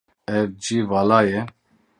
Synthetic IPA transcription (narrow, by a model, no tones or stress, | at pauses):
ɛvd͡ʒiːvaːlaːjɛ